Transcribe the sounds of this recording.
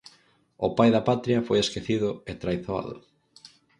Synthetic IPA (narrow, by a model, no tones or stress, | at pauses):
ʊpajðɐpat̪ɾiɐfojeskeθiðʊet̪ɾajθoa̰ðʊ̰